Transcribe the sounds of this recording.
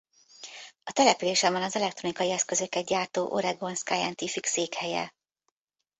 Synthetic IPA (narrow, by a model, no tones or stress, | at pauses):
ɒt̪ɛlɛpyleːʃɛmɛnɒzɛlɛkt̪ro̞nikɒjiɛskø̞zø̞kːɛt̪̚ɟaːrt̪oːʔo̞̰ɾɛɡo̞nskajɛnt̪ifikseːkhɛjɛ̰